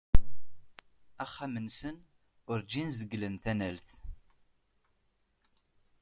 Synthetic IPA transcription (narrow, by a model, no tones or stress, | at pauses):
æχːamənsən | ʊɾd͡ʒinzəɡlənθænælθ